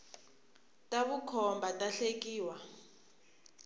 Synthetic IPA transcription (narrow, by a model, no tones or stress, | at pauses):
tʼaβukʰɔmbʱatʼaɬek̬ʼiːwa